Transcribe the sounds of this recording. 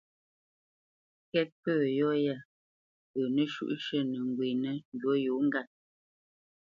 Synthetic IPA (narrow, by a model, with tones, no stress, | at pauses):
kɛ˦t̚pəː˦˨jɔ˦ja˦˨ | ə˨nə˦ʃṵ˦ʔʃə˦nə˨ŋ˨ɡwi˨nə˦n˦dwo˦ju˨˦ŋ̩˦ɡa˦˨t̚